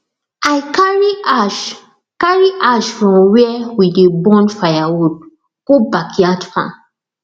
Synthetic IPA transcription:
ajkaɹiaʃ | kaɹiʔaʃfɹɔ̃mwiɛwidebɔ̃nfajawud̚ | ɡ̥obakʰiatfã̰

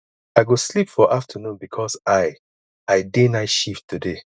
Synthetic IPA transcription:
aɪɡoslipfɔʔaftʰənũnbikʰɔsaɪ | aɪdenaɪʃiftude

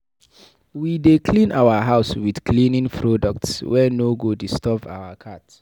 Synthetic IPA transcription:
widekʰlĩnaʊwaɦaʊswidkʰlĩnĩŋpʰɹɔdɔk̚tswɛnoɡodistɔba̰wakʰat

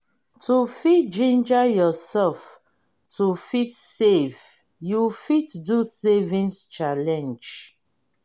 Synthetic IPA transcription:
tʰufitd͡ʒĩnd͡ʒajɔsɛlf | tʰufitsev | jufitdusevĩnst͡ʃalɛ̃nd͡ʒ

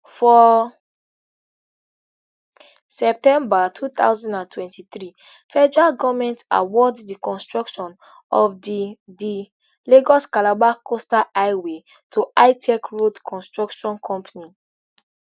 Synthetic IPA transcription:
fɔ | sɛp̚tɛ̃mbatʰut̪a̰ʊzɔ̃ndãntʰwɛ̃ntit̪ɹi | fɛd͡ʒɛɹaɡɔvmɛ̃nta̰wɔdːikɔ̃nstɹɔkʃɔ̃n | ɔfdi | leɡɔskalabakʰostaʔajwe | tʰuaɪtʰɛkɹodkʰɔ̃nstɹɔkʃɔ̃nkʰɔ̃mpʰani

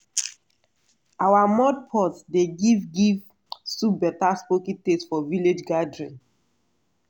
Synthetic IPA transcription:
awamɔd̚pʰɔtdeɡivɡiv | subɛtaspokĩtesfɔviled͡ʒɡadɹĩn

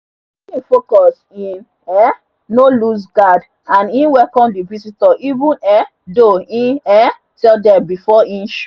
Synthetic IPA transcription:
ĩfokɔs | ĩn | ɛː | olusɡad | ãnĩnwɛkɔ̃mdivisitɔʔivũnɛ̃ | doĩnɛ̃ | tɛldɛ̃mbifɔĩnʃ

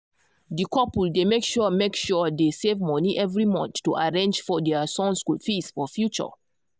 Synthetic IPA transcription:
dikʰɔpldemekʃuəmekʃudesevmɔniʔɛvɹimɔ̃nθtːuʔaɹẽnd͡ʒfɔdɛsɔ̃nskulfisfɔfjut͡ʃə̰

